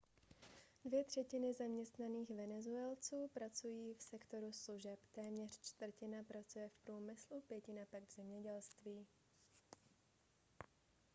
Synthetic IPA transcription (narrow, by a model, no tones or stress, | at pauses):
dvɪjɛt̪r̝̥ɛcɪnɪzamɲɛst̪naniːxvɛnɛzuɛlt͡suːpɾat͡sujiːfsɛkt̪o̞ɾusluʒɛpt̪ɛːmɲɛr̝̥t͡ʃt̪vr̩cɪnapɾat͡sujɛfpɾuːmɪslupjɛcɪnapaɡvzɛmɲɛɟɛlst̪viː